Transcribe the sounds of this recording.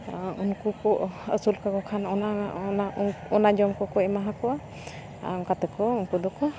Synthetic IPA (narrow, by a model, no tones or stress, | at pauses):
unkukɔʔə̰sulkakɔkʰanɔnaɔnaɔnad͡ʒɔmkɔkɔɛmaɦakɔʔa | a̰ɔŋkat̪ɛkɔunkud̪ɔkɔ